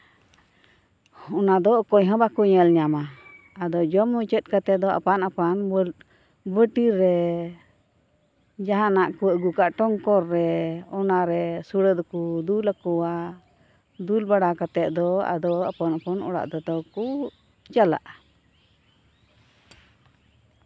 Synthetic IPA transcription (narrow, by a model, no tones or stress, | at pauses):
ɔnad̪ɔkɔjɦə̃bakuɲəlɲama | ad̪ɔd͡ʒɔmːut͡ʃət̪̚ˀkat̪ɛd̪ɔʔa̰panapanbl | bəʈiɾːɛ | d͡ʒaɦãnaʔkuwəʔɡukaʔʈɔŋkɔɾːɛɔnaɾɛsuɽəd̪ɔkud̪ulakɔwa | d̪ulbaɽakat̪ɛʔ̪̚d̪ɔa̰d̪ɔapanapɔnɔɽa̰ʔd̪ɔd̪ɔkuʔ | t͡ʃala̰ʔa